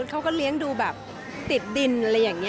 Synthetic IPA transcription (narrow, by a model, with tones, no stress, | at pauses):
kʰa˦˥wkɔː˥˩li˦˥əŋduː˧bɛː˨˩p̚ | t̪i˨˩t̪̚di˧n˧la˧jːaː˨˩ŋːni˦˥